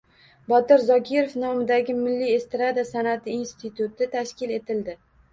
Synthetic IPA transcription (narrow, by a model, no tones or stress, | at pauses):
bɒt̪ɪɾzɒkʲʰɪɾofnɒmɪd̪aɡʲɪmɪlːie̞st̪ɪɾad̪asanat̪ʰɪinst̪ʰɪt̪ut̪ɪt̪ʰaʃkʲɪle̞t̪ʰɪld̪ɪ